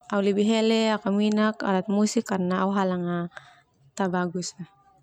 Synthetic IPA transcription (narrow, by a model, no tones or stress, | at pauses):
awlebiɦeleakaminaka̰ɾat̪̚musikːaɾnaawɦalaŋa | t̪abaɡusa